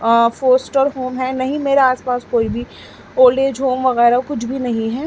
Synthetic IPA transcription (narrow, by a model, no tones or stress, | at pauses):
foːsʈəɾɦoːmɦɛnɐɦĩmeːɾeaːspaːskoːibʱi | oːɾɖeːd͡ʒɦoːmʋɐɣɛːɾakʊt͡ʃʰbʱinɐɦĩɦɛː